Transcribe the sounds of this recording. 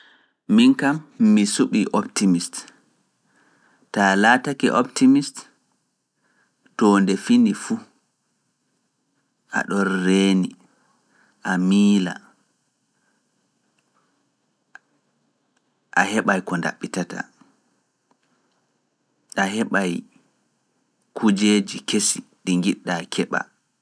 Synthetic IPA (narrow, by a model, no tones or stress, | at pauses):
minkamːisuɓiʔɔptimist | talaːtakḭʔɔptimist | tɔːndɛfinifu | ʔa̰ɗɔnːeːni | ʔamiːla̰ | ʔahɛɓajkɔnda̰ɓːitata̰ | ʔaɦɛɓaj | kʰud͡ʒeːd͡ʒikesiɗiŋɡiɗːakʰɛɓa̰